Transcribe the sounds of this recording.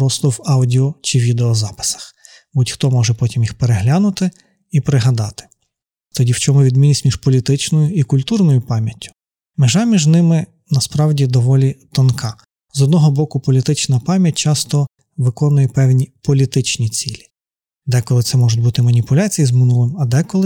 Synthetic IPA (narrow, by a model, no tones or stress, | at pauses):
ɾɔst̪ɔwɑwdʲiɔt͡ʃɪʋʲid̪eɔzɑpɪ̥sɐ̥x | butʲxt̪ɔmɔʒɛpɔtʲimjixpeɾeɦlʲanʊt̪ɪ | ipɾɪɦɐd̪ɑt̪ɪ̥ | t̪ɔdʲiwt͡ʃɔmʊʋʲid̪mʲinʲisʲmʲiʒ̥pɔlʲit̪ɪt͡ʃnɔjʊikʊlʲt̪urnɔjʊpɑmʲjɐtʲːʊ̥ | meʒɑmʲiʒnɪmɪ | nɐspɾɑwdʲid̪ɔʋɔlʲit̪ɔnkʰɑ | zɔd̪nɔɦɔbɔkʊpɔlʲit̪ɪt͡ʃnɐpɑmʲjɐt̚ʲt͡ʃɑst̪ɔ | ʋɪkɔnʊjɛpɛwnʲipɔlʲit̪ɪt͡ʃnʲit͡sʲilʲi̥ | d̪ɛkɔlˠɪt̪sɛmɔʒʊt̚ʲbut̪ɪmɐnʲipʊlʲat͡sʲijizmɪnulˠɪmɐd̪ɛkɔlˠɪ